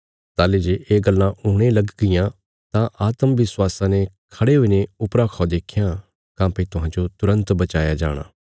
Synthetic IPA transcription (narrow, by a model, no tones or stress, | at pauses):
t̪aːled͡ʒeːʔeːɡɐlːãʔuːɽ̃elɐɡɡɪjã | t̪ãʔaːt̪əmʋɪswaːsãnekʰɐɽeɦʊineʊpɾakʰɔːd̪eːkʰɪjã | kãːpet̪ʊɦãːd͡ʒot̪ʊɾə̃nt̪bɐt͡ʃaːjad͡ʒa̰ːɽ̃a̰ː